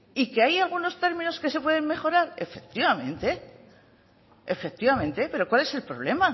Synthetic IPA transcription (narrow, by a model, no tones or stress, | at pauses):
ikeajalɣ̞uno̞st̪e̞ɾmĩno̞ske̞se̞pwe̞ð̞e̞mme̞xo̞ɾaɾe̞fe̞k̚t̪iβamẽ̞nt̪e̞ | fe̞k̚t̪iβamẽnt̪epe̞ɾo̞kwale̞se̞lpɾo̞βle̞ma